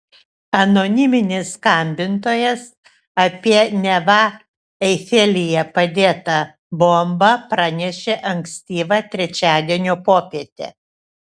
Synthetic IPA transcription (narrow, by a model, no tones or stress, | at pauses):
ɐnonʲɪmʲɪnʲɪsːkɐmʲbʲɪnt̪oːjɛs | ɐpʲiɛnʲɛʋɐ | ɛɪfʲeːlʲɪjɛpɐd̪ʲeːt̪ɐ | boːmbɐpɾɑnʲɛʃʲeːʔɐŋksʲt̪ʲiːʋɑt̪ʲɾʲɛt͡ʃʲæːd̪ʲiɛnʲoːpoːpʲit̪ʲḛ